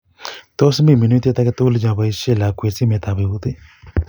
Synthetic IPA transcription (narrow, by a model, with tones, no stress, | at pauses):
t̪ɔ˦smbi˦˨mi˨nu˦t̪e˦˧t̪a˧kɛ˧t̪u˦lɪ˦d͡ʒã˧˨ba˧i˦ʃe˦˨la˨kwe˨t͡si˦me˨˧˨t̪a˨be˨u˦t̪i˦